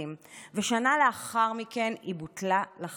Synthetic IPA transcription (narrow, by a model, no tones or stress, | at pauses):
imveʃanaleaχaʁmikenibutlalaχ